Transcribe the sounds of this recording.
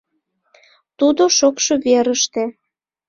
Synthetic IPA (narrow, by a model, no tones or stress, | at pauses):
t̪ud̪oʃokʃoβeɾəʃt̪e